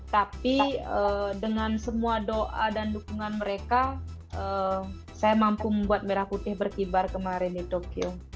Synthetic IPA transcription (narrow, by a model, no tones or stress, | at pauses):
t̪apiədəŋansəmuadoʔadandukuŋanməɾeka | ʔə | sajamampuməmbuat̪̚meɾahput̪ɪhbərkibarkəmaɾɪndit̪okio